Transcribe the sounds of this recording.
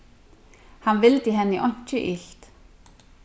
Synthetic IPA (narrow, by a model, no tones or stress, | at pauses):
hanvɪlt̪ɪɦɛnːɪʔɔɲ̥t͡ɕʏʔilt̪